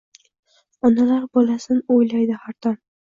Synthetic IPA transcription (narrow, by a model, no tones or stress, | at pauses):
ɒnalaɾbɒlasɪnojlajd̪ɪhaɾt̪ʰɒn